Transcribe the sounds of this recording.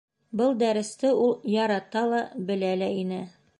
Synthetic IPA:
bɤlˠd̪æɾɘ̆st̪ɘulˠjɒɾɑt̪ɑlˠɑbɘ̆lælæinɘ

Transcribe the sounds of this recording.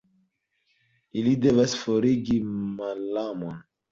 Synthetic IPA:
ilide̞vasfo̞ɾiɡimalːamon

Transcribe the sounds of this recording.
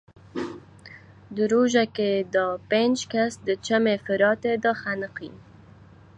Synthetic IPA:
d̪əɾoʒaked̪ɑpend͡ʒkasd̪ət͡ʃamefɪɾɑt̪ed̪ɑxanəqḭn

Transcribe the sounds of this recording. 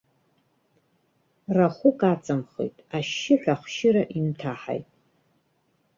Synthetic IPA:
raχʷʊkʼat͡sʼamχḛjtʼaʃɪħʷᶣaχʷʃɪɾaʔimtʰaħa̰jtʼ

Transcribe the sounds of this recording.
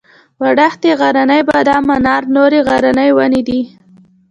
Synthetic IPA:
waɽaxt̪eɣaɾanəjbad̪ɑmanɑɾnoɾeɣaɾanəjwaned̪i

